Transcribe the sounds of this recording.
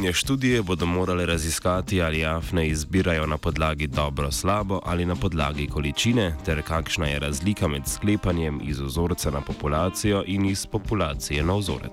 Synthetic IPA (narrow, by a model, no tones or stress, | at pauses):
nɛʃt̪uːd̪ijɛboːd̪ɔmoːɾalɛɾaziskaːt̪iaːliaːfnɛizbiːɾajɔnapɔd̪laːɡid̪ɔːbɾɔslaːbɔʔalinapɔd̪la̰ːɡikɔlit͡ʃiːnɛt̪ɛɾkaːkʃnajɛɾazliːkamɛt̪skleːpanjɛmḭzɔzoːɾt̪sanapɔpulaːt̪sijɔʔinispɔpulaːt̪sijɛnawzo̰ːɾɛ̰